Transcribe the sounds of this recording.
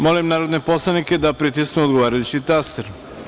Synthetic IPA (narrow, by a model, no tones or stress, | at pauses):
mo̞limnaːɾo̞d̪nepo̞slˠanike̞d̪apɾit̪̬isknuod̪ɡoʋaːɾajut͡ɕit̪ast̪eɾ